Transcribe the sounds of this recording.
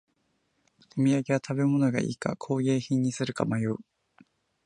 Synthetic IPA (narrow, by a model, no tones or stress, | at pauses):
ɯmʲijaɡe̞βat̪ʰabe̞mo̞no̞ɡa̰ʔḭːka̰kʰo̞ːɡe̞ːçĩɲ̟ːisɨɾɯ̟ka̰majoɯ